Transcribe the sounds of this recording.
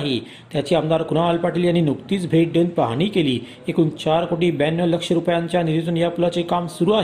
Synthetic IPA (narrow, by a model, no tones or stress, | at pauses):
ɦe | t̪jat͡ɕiːamd̪aɾkunaalpaʈʰiːljanːiːnukt̪iːt͡sbʱeʈ̚ɖənd̪̚paɦaɽ̃iːkeliː | ekuːnt͡ɕaɾkoʈiːbænjələkʂəɾupjaɲt͡ɕjaniɾit̪unjapulat͡sekamsuɾuːaɦe